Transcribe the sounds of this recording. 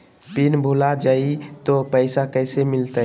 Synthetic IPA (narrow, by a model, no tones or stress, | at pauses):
pinbʱulad͡ʒait̪opəɪsakəɪsemɪlt̪ə